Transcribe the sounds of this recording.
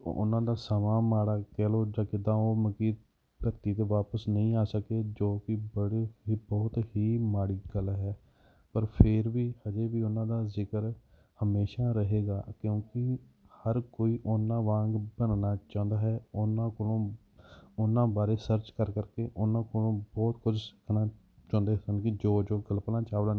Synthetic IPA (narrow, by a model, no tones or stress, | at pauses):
ʊ̰nãːd̪aːsəmãːmaːɽaːkɛːloːd͡ʒãːkɪd̪ãːoːməkiː | d̪əɾt̪iːt̪eːʋaːpəsnəĩːaːsəkeːd͡ʒoːkɪbəɽeɦibɔːt̪hiːmaːɽiːɡəlɦɛː | pəɾpʰɪɾʋiːhəd͡ʒeːʋiːʊnãːd̪aːzɪkəɾ | həmeːʃaːɾəɦeːɡaːkjõːkɪ | həɾkoːiːʔʊnːãːʋãːŋɡbənnaːt͡ʃãːnd̪aːɦɛːʊnãːkoõː | ʊnːãːbaːɾeːsəɾt͡ʃkəɾkəɾkeːʔʊnːãːkonõːbɔːt̪kʰʊd͡ʒsɪ̥kʰnaː | t͡ʃɔ̃ːnd̪eːsənkɪd͡ʒoːd͡ʒoːɡəlplãːt͡ʃaːʋlaː